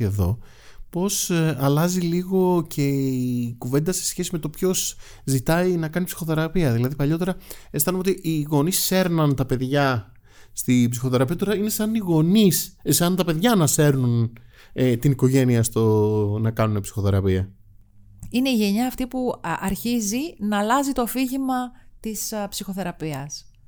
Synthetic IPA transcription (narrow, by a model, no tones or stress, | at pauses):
eðo̞̰ | po̞sɐlɐziliɣo̞cʰe̞ikuve̞nd̪ɐse̞̥sçe̞sime̞t̪o̞pço̞s | zit̪ɐinɐkɐnipsi̥xo̞θe̞ɾɐpiɐðilɐðipɐʎo̞t̪e̞ɾɐest̪ɐnumeot̪iʔiɣo̞nisse̞ɾnɐnt̪ɐpe̞ðʝɐ | st̪ibsixo̞θe̞ɾɐpiɐt̪o̞ɾɐine̞sɐniɣo̞nissɐnt̪ɐpe̞ðʝɐnɐse̞ɾnun | t̪iniko̞ʝe̞niɐst̪onɐkɐnune̞psi̥xo̞θe̞ɾɐpiɐ | ine̞iʝe̞ɲɐːft̪ipuɐɾçizinɐlɐzit̪o̞fiʝimɐt̪ispsixo̞θe̞ɾɐpiɐs